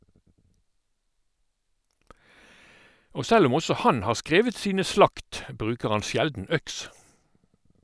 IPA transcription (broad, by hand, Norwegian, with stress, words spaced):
ˈoː ˈsɛl ˈʊm ˈɔsɔ ˈhɑn ˈhɑːʁ ˈskʁeːʋət ˈsiːnə ˈslɑkt ˈbʁʉːkəʁ ˈɑn ˈsjɛldn̩ ˈœks